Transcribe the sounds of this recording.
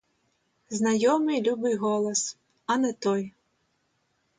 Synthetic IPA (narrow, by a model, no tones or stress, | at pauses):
znɐjɔmɪjlʲubɪjɦɔlˠɔs | ɐnɛt̪ɔj